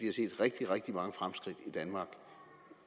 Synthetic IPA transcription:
ʋihɑ̈sḛːd̥ʁeɡ̥̚d̥iʁɛɡ̥̚d̥imɑ̈ŋəfʁamsɡ̥ʁid̥id̥ænmɑ̈ːɡ̥

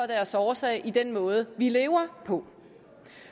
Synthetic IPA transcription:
ɒd̥æɐsɒːsɛ̰ɪʔid̥enmɔ̽ːð̞̩ˠəʋile̝ːʊɐpʰɒ̽

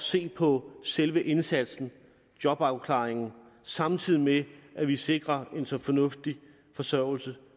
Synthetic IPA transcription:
se̝̰ːpʰɒ̽selʋəʔe̝nsæd̥sn̩ | d̥jɒ̽b̥ɑ̈ʊkʰlɑ̈ːeŋn̩ | sɑ̈mt͡sʰið̰ˠimeʔæʋise̝ɡ̥ʁɐe̝nsɒ̽fɒ̽nɔ̽fd̥i | fɒ̽sœɐ̰l̩sə

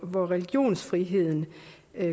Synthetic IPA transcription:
ʋɒʁɛliɡ̥jo̝̰ːnsfʁiɦe̝ð̞̰ˠn̩

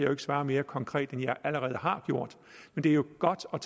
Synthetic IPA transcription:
joe̝ɡ̥əsʋɑ̈ːɐme̝ːɐkʰɒ̽ŋkʰʁɛ̰ːd̥enjɑ̈ɪʔæləʁɛːðˠɦɑ̈ɡ̥jo̝ɐ̰d̥ | mend̥e̝ɐjo̝ɡ̥ɒd̥ɒ̽t͡sʰ

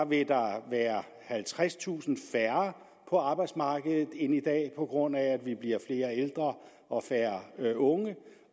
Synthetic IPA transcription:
ʋe̝d̥ɑ̈ʋæːɐ | hælt͡sʰʁast͡sʰṵːsn̩fæɐ | pʰɒ̽ɑ̈ːb̥ɑ̈ɪd̥smɑ̈ːɡ̥əð̩ˠð̩ˠe̝nid̥ɛ̰ːpʰɒ̽ɡ̥ʁɔ̽n̰æːd̥ʋib̥liɐfle̝ːɐeld̥ʁɐ | ɒ̽fæːɐʔɔ̽ŋə

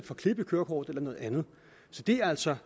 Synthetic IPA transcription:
d̥fɒ̽kʰle̝b̥ikʰøɐkʰɒ̰ːd̥ˠelɐnɔ̽ːð̩ˠænð̞̩ˠ | sɒ̽d̥e̝æɐæl̰sɒ̽

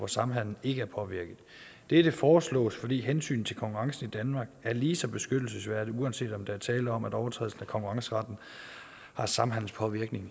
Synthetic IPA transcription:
ʋɒsɑ̈mɦæn̰n̩e̝ɡ̥əæɐpʰɒ̽ʋiɐɡ̥ð̩ˠ | d̥e̝d̥e̝fɒːslɔ̰̽ːsfɒ̽d̥ḭːɦensy̰ːn̩t͡sʰe̝lkʰɒ̽ŋkʰuʁɑ̈ŋsn̩id̥ænmɑ̈ːɡ̥æɐliːsɒ̽b̥e̝sɡ̥ød̥l̩səsʋæɐd̥iuænse̝̰ːd̥ɒ̽md̥ɑæɐt͡sʰɛːlɒ̽mæɾɒʊɐt͡sʰʁɛ̰ːðˠlsn̩ækʰɒ̽ŋkʰuʁɑ̈ŋsəʁɑ̈d̥n̩ | hɑ̈sɑ̈mɦæn̰n̩spʰɒ̽ʋiɐɡ̥ne̝ŋ

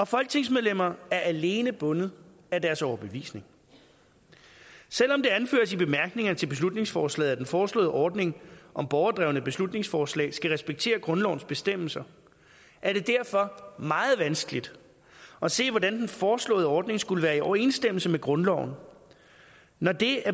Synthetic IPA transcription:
ɒ̽fɒ̽lɡ̥̚t͡sʰe̝ŋsmeðˠlem̰ɐæɐʔæle̝ːnəb̥ɔ̽nð̩ˠ | ædæɐsɒʊɐb̥eʋḭːsne̝ŋ | sel̰ɒ̽md̥e̝ænfø̰ːɐsib̥e̝mæɐɡ̥ne̝ŋɐnət͡sʰe̝lb̥e̝s̬lud̥ne̝ŋsfɒːslɛ̰ːð̩ˠæd̥enfɒːslɔ̰̽ːð̩ˠʔɒːd̥ne̝ŋʔɒ̽mb̥ɒʊɐd̥ʁɛʊnəb̥e̝slud̥ne̝ŋsfɒːslɛ̰ːɪsɡ̥æʁɛsb̥eɡ̥̚t͡sʰe̝̰ːɐɡ̥ʁɔ̽nlɒʊn̩sb̥e̝sd̥em̰l̩sɐ | ʔæɐɾ̥e̝d̥æɐ̰fɒ̽mɑ̈ːð̞̩ˠʋænsɡ̥əlid̥ | ɒ̽se̝̰ːʋɒdænd̥enfɒːslɔ̰̽ːð̞̩ˠɒːd̥ne̝ŋsɡ̥uləʋæːɐiɒʊɐe̝ːnsd̥eml̩səmeɡ̥ʁɔ̽nlɒʊ̰n | nɒd̥e̝æɐ

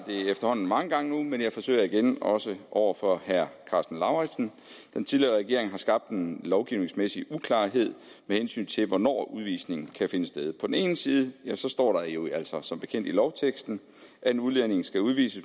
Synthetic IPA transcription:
d̥e̝æefd̥ɐhɒ̽n̰n̩mɑ̈ŋəɡ̥ɑ̈ŋənumenjɑ̈ɪfɒ̽sø̰ɪ̰ɐiɡ̥enɒ̽səʔɒʊ̰ɐfɒ̽hæɐ̰kʰɑ̈sd̥n̩lɑ̈ʊʁɛ̥sn̩ | d̥ent͡sʰiðˠliɐʁɛɡ̥e̝ɐe̝ŋɦɑ̈sɡ̥ɑ̈b̥̚d̥enlɒʊɡ̥iʊne̝ŋsmesiukʰlɑ̈ːɦe̝ð̞̰ˠmehensy̰ːnt͡sʰe̝lʋɒnɒ̰ːuð̞ˠʋḭːsne̝ŋn̩kʰæfe̝nəsd̥eðˠpʰɒ̽d̥en̩e̝ːn̩siːð̞ˠəjæsɒ̽sd̥ɒ̰ːɾɑ̈jo̝æl̰sɒ̽sɒ̽mb̥e̝kʰen̰d̥ilɒʊt͡sʰeɡ̥sd̥n̩ | ʔæenuðˠlene̝ŋ̩sɡ̥æuðˠʋḭːsə

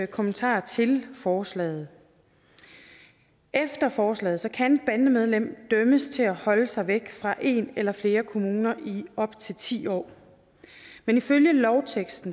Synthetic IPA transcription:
kʰomənt͡sʰɑ̰̈ːt͡sʰe̝lfɒːslɛ̰ːð̞̩ˠ | ʔefd̥ɐfɒːslɛ̰ːð̩ˠsɒ̽kʰænb̥ændəmeð̞ˠlem̰d̥œməst͡sʰe̝læhɒ̽ləsɑ̈ɪʋeɡ̥fʁɑ̈ʔe̝̰nelɐfle̝ːɐkʰo̝muːnɐʔiɒ̽b̥t͡sʰe̝lt͡sʰḭːɒ̰ː | meniføljəlɒʊt͡sʰeɡ̥sd̥n̩

